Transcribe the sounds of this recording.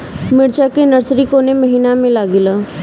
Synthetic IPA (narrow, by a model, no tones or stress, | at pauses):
mɪɽt͡ʃaːkenəɾsɾiːkoːneməɦiːnamẽlaːɡɪlaː